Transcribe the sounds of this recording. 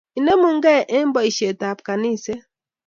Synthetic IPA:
i˨ne˦mʊ˨ŋ̩˦ɡe˦˨ʔɪ˦m̩˦bɔ˨i˨ʃe˨ta˨pka˨ni˦˨se˦

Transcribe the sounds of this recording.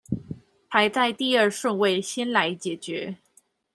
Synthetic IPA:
pʰa˧˥ɪt͡sa˥˧ɪt̪i˥˧ə˞˥˧ʂwə˥˧nwe˥˩ɪɕɛ˥nla˧˥ɪt͡ɕjɛ˨˩t͡ɕɥɛ˧˥

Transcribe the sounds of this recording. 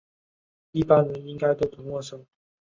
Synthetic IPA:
i˥˧pa˥nɻə˧˦ni˥ŋka˥ɪt̪o˥ʊp̪ʰu˨˥nwɔ˥˩ʂɤ˥˩ŋ

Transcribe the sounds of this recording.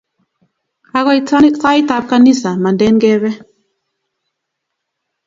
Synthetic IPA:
a˨ɣɔ˦i˨ta˦t͡sa˦i˦ta˨p̚ka˦ni˦sa˨ma˨ndɛ˦nɡɛ˦βɛ˦

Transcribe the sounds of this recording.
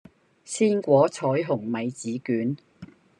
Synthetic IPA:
siː˥nkʷɔː˨˥t͡sʰɔː˨˥jɦʊ˨˩ŋmɐ˨˧jt͡siː˨˥kyː˨˥n

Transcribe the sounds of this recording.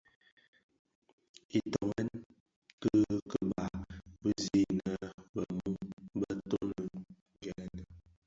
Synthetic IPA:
i˨tɔ˨ŋɛ˦n | kə˦kə˦ba˨bə˦zi˦˨nə˦bə˨mu˦bə˦to˦nə˨ | ɡɛ˨˦˨nə˨

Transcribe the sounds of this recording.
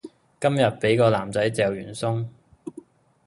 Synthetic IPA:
kɐ˥mjɐ˨t̚pe˨˥jkɔː˧laː˨˩mt͡sɐ˨˥jt͡sɛː˨wjyː˨˩nsʊ˥ŋ

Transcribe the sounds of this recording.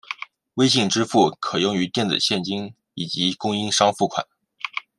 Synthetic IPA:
we˥ɪɕi˥˩ŋʈ͡ʂɻ̩˥fu˥˩kʰɤ˨˩jʊ˥˩ŋy˧˥t̪jɛ˥˩nt͡sɹ̩̰˨˩ɕjɛ˥˩nt͡ɕi˥ŋ | i˨˩t͡ɕi˧˥kʊ˥ŋi˥nʂɑ˥ŋfu˥˩kʰwa̰˨˩˦n

